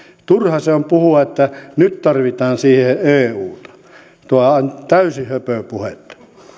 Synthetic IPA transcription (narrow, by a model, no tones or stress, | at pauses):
t̪urhɑseompuhuɑet̪ːænytt̪ɑrʋit̪ɑːnsiːheeːuːt̪ɑ̥ | t̪uɑnt̪æysihøpøpuhet̪ːɑ̥